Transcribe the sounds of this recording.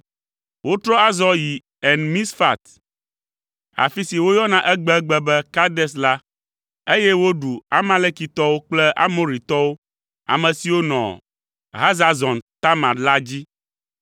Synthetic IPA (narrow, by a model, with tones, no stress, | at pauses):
wo˦t̪ɾɔ˦a˦zɔ˦ji˨ | ɛ˨nmĩ˦sfa̰˦˨t̪ | a̰˨fi˦si˨wo˦jɔ˦nã˦ʔɛ˦ɡ͡bɛ˦ɡ͡bɛ˦bɛ˦ka˦d̪ɛ˦s̬la˦ | e˦jɛ˦wo˦ɖu˨a̰˦mã˦le˦ki˨t̪ɔ˦wo˦k͡plɛ˦ʔa̰˦mo˦ɾi˨t̪ɔ˦wo˦ | a̰˨mɛ̃˨si˨wo˦nɔ̰̃˨ | ɦa˦za˨zɔ̃˨nt̪a˦mã˨la˦d͡ʑi˦